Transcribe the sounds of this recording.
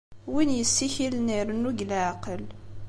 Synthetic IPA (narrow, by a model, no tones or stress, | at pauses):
winjəsːiçilniɾnuɡlʕqəl